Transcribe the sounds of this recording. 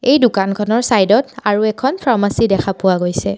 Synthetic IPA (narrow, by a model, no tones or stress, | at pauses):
ejdʊukankʰɔnɔɹsajdɔtaɹuɛkʰɔnpʰɹamasidɛkʰapʊwaɡojsɛ